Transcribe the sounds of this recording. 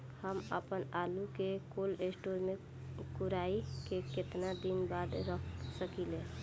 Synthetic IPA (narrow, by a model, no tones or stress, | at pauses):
həmə̰pənalukekolesʈoɾmẽ | kuɾaikeket̪nad̪inbad̪ɾəkʰsəkile